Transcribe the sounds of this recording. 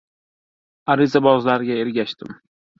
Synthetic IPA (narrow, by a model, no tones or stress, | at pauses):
aɾɪzabɒzlaɾɡʲae̞ɾɡʲaʃt̪ɪm